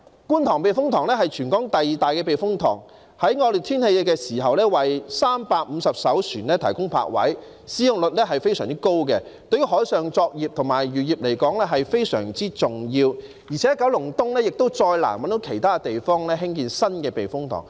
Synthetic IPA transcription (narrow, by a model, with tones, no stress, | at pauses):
kuː˥nt̪ʰɔː˨˩ŋpe˨˩jfʊ˥ŋt̪ʰɔː˨˩ŋlɛː˥ɦɐ˨jt͡ʃʰyː˨˩nkɔː˨˥ŋt̪ɐ˨jiː˨˩t̪aː˨jkɛː˧p̬e˨jfʊ˥ŋt̪ʰɔ̰ː˨˩ŋ | hɐ˨˥jŋɔː˧ly˨˩t̪ʰiː˥nhe˧jkɛː˧siː˨˩hɐ˨wlɛː˥wɐ˨jsaː˥mpaː˧k̚m̩ː˨˧sɐ˨p̚sɐ˨˥wsʰyː˨˩nɛː˥t̪ʰɐ˨˩jkʊ˥ŋpʰa̰ː˧k̚wɐ̰˨˥j | siː˨˥jʊ˨ŋlɵ˨t̚lɛː˥ɦɐ˨jfe˥jsœː˨˩ŋt͡siː˥ko˥wkɛ˧ | t̪ɵ˧ɥy˥ɦɔː˨˥jsœː˨ŋt͡sɔː˧k̚jiː˨p̚t̪ʰʊ˨˩ŋmaː˨˩jɥyː˨˩jiː˨˩p̚le˨˩jkɔː˨˥ŋlɛː˥ɦɐ˨jfe˥jsœ̰ː˨˩ŋt͡siː˥t͡sʊ˨ŋjiː˧w | jiː˨˩t͡sʰɛ˨˦jɐ˥kɐ˨˥wlʊ˨˩ŋt̪ʊ˥ŋlɛː˥jɪ˨k̚t̪o˥wt͡sɔː˧jla̰ː˨˩nwɐ˨˥nt̪o˨˥wkʰe˨˩jt̪ʰaː˥˧t̪e˨jfɔː˥ŋlɛː˥ɦɪ˥ŋkiː˨nsɐ˥nkɛː˧pe˨˩jfʊ˥ŋt̪ʰɔ̰ː˨˩ŋ